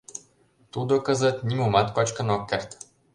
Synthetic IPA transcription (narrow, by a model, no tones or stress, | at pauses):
t̪ud̪okəzət̪nʲimumat̪kɔt͡ʃkənɔkʲːɛɾt̪